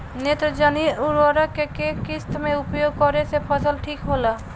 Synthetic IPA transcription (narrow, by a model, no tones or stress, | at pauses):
net̪ɾəd͡ʒaːniʊɾʋaːɾakekeːkɪst̪mẽʊpjoːɡ̚kɔɾesepʰəsəlʈʰiːkɦoːlaː